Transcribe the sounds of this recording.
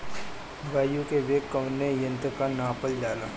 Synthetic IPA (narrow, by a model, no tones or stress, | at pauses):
baːjukeʋeːkːəʋnːejə̃nt̪kanaːpəld͡ʒaːlaː